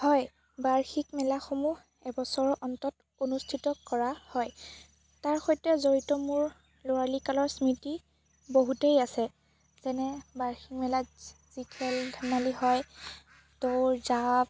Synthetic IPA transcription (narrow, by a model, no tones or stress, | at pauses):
hɔj | baɹxikmɛlaxomu | ɛbɔsɔɹʔɔntɔt | onustʰitɔkɔɹahɔj | taɹxɔjtɛzoɹitɔmuɹ | lʊalikalɔɹsmiti | boɦutejasɛ | z̥ɛnɛbaɹxik̚mɛla | z̥ikʰɛldʱamalihɔj | towɹzab